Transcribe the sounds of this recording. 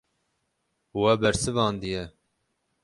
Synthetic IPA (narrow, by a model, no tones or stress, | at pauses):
wɛbɛɾsɨvɑːnd̪ɨjɛ